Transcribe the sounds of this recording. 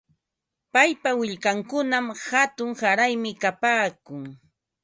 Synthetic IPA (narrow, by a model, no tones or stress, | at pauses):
pajpawɪʎkaŋkʊnamhat̪ʊŋsaɾajmɪkapaːkʊŋ